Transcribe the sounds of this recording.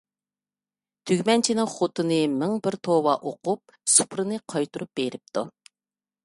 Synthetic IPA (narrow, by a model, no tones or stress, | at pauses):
t̪ʰyɡʲmɛnt͡ʃʰinɪŋχot̪ɨnɨmɪŋbɪɾt̪ʰowɑʔoqup̚ | su̥pɾɨnɨqʰɑjt̪uɾup̚b̥eɾɪp̚t̪u